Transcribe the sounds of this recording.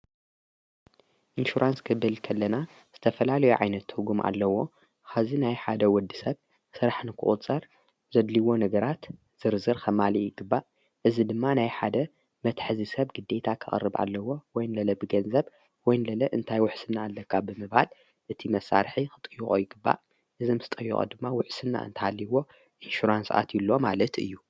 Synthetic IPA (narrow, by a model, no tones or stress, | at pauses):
ʔinʃuɾʔanskʰɨβɨlkʰɐlːɐna | z̥ɨt̪ʰɐfɐlalɐjuʕa̰jnɐt̪ʰːɨɡumʔa̰lːɐwo̞ | xazinajħad̪ɐwɔd̪isɐβ | sɨɾaħnɨkʰɨ̰ʔʼṵt͡sʼɐɾ | zɐd̪liwo̞nɐɡɐɾat̪ | z̥ɨɾzɨɾxʰɐmalijɪɡɨbːa | ʔɨzid̪ɨmːanajħad̪ɐ | mɐt̪ʰħzisɐβɡɨd̪ːe̞t̪ʰakʰɨχʼɐ̰rːɨbʔa̰lːɐwːo̞wɔjnlɐlɐbɨɡɐnzɐβ | wɔjnlɐlɐʔɨnt̪ʰajwʊħsɨnːaːlːɐkʰːabɨmɨβhal | ʔɨt̪ʰimɐsːa̰ɾħixɨt̪ʼɨjːuχʼojɪɡɨbːa̰ | ʔɨzɨmsɨt̪ʼɐjːṵχʼo̰d̪ɨmːawʊħsɨnːa̰ɨ̰nt̪ʰɐhalːiwo̞ | ʔinʃuɾansʔa̰t̪jɪlːomalɐt̪ɨ̰jːu